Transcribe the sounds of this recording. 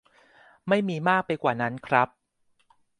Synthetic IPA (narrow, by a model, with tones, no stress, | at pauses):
ma˥˩jmiː˧maː˥˩k̚pa˧jkwaː˨˩na˦˥nkʰɾa˦˥p̚